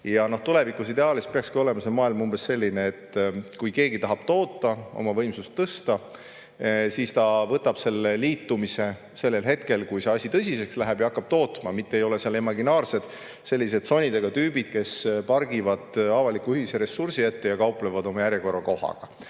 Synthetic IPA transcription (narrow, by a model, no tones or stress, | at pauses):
jɑno̞ht̪ule̞vikusid̪eɑːlispeɑkskio̞lemɑselmɑːilmumb̥e̞sse̞lʲːineːt̪ːkujke̞ːɡit̪ɑɦɑb̥t̪o̞ːt̪ːˑɑo̰mɑvɤjmsust̪ːɤst̪ɑ | siːst̪ɑvɤt̪ːɑb̥se̞lːeliːt̪ːˑumise̞ | se̞lːe̞lɦe̞t̪ke̞lkujse̞ɑsʲit̪ɤsʲisekslæɦæb̥jɑɑkːɑb̥̚t̪o̞ːt̪mɑmit̪ːeejo̞le̞seɑlemɑɡinɑːrse̞d̪̥ | se̞lʲːise̞d̪so̞nʲːid̪e̞ɡ̥ɑt̪yːbid̪̥̚ke̞spɑrɡivɑd̪̥ɑvɑlikːˑuyhiseɾe̞sːursiet̪ːe̞jɑkɑwplevɑd̪o̞mɑjæɾjeko̞rɑko̞hɑ̰ɡ̥ɑ̰